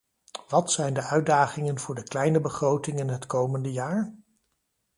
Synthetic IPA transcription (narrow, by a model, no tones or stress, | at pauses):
ʋɑtsɛjndəʔœɥdaːχɪŋənv̥ʊːɹdəklɛjnəbəχrowtɪŋɪnɦətkowməndəjaːɹ